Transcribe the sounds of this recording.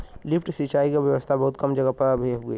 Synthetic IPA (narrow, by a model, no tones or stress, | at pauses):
lɪpʰʈsit͡ʃaːikabjəʋəst̪ʰabɐɦut̪̚kɐmd͡ʒəɡəpəbʱiɦoɡəi